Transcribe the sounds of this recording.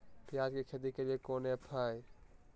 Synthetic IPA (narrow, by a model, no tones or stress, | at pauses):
pɪjad͡ʒkekʰed̪ikeliekonepʰaj